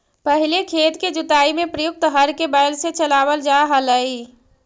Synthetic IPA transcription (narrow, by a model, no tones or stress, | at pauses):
pəɦilekʰet̪ked͡ʒut̪aimepɾəjuk̚t̪ɦəɾkebajlset͡ʃəlaβəld͡ʒaɦələi